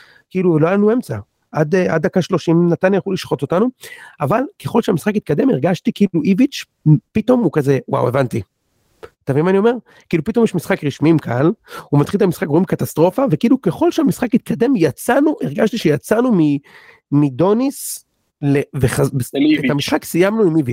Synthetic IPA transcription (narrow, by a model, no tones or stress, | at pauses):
kiːluveloalanue̞mt͡sa | ʔad̪a̰d̪akaʃlo̞ʃimnat̪anjajaχuliʃχo̞to̞t̪anuavalke̞χo̞lʃeamisχakit̪̚kad̪e̞meʁɡaʃtikiluʔivit͡ʃ | pit̪o̞mukaze̞wa̰we̞vant̪i | t̪avimanio̞me̞ʁ | kiːlupit̪ojeɛʃmisχakʁiʃmimkʰalumat̪χiltamisχakʁoimbkat̪ast̪ʁo̞favekiːluke̞χo̞lʃeamisχakit̪̚kʰad̪e̞mjat͡sanuʔeʁɡaʃt̪iʃejat͡sanumi | mido̞nis | leveχabesedeet̪amisχaksijamnuimivit͡ʃ